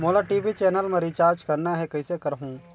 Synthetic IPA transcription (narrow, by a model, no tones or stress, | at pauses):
moːlaʈiʋit͡ʃɛːnəlmẽɾit͡ʃaːɾd͡ʒkɐɾnaɦɛkɐisekɐɾɦũː